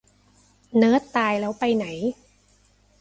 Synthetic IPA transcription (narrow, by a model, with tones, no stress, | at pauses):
nɤː˦˥t̪ːaː˧jlɛː˦˥wpa˧jna˩˦j